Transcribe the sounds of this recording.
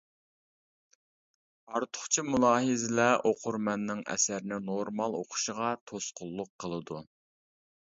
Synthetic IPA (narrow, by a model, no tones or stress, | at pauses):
ɑɾt̪ʰʊ̥χt͡ʃʰimulˠɑːɦɨzɪlɛʔoqʰʊɾmɛnːɪŋɛ̰sæɾnɪnoɾmɑlˠoqʰʊ̥ʃəʁɑt̪ʰosqʊlˠːʊqʰːəlˠɨd̪u